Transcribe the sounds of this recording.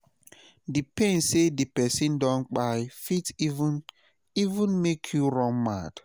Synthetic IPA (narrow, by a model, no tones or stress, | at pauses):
dipẽn̩sedipɛsin̩dɔ̃n̩k͡pajfitivn | ivʊ̃nmekʰjuɾɔ̃ŋma̰d